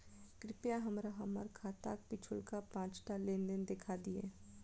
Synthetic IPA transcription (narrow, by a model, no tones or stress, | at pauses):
kɾɪpjaɦɐmɾaɦɐməɾkʰaːt̪a̰ːk̚pɪt͡ʃʰʊlkapãːt͡ʃʈalẽːnd̪ɪnd̪ɪkʰad̪iɛ̰ː